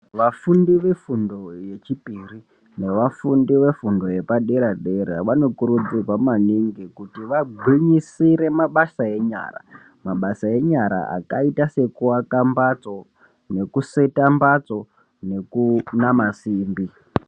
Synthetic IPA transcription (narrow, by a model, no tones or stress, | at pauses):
ʋafundiʋe̞fundo̞je̞t͡ʃipiri | ne̞ʋafundiʋe̞fundo̞je̞paɗeɾaɗeɾa̰ʋano̞kuɾud͡zirwamaniŋɡikutiʋaɡʱwiɲisiɾe̞maɓasae̞ɲa̰ːra̰ | maɓasae̞ɲaɾa̰a̰kaitase̞kuwakambat͡so̞ | ne̞kuse̞tambat͡so̞ | ne̞kunamasiːmbi